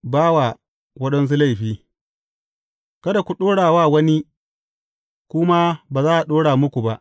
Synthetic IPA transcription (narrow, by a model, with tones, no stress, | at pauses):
baː˦wa˨ | wɐ˦ɗɐ˦ns̬u˦la˦˨jɸiː˦ | kɐ˦da˨kʷu˨ɗoː˦ɽaː˨waː˦˨wɐ˦ni˦ | kʷʊ˦ma˦baː˨zaː˦ʔa˨ɗoː˦ɽaː˨mʊ˦kʷu˨ba˦ʔ